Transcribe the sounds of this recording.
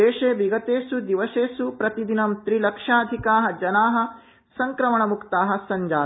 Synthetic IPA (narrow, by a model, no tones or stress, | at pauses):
eːʃeːbiɡɐt̪eːsud̪iʋɐseːsupɾɐt̪id̪inɐmt̪ɾilɐkʂaːd̪ʱikaːɦɐ̆d͡ʒɐnaːɦɐ̆ | sɐŋkɾɐmɐɳɐmukt̪aːɦɐ̆sɐɲd͡ʒaː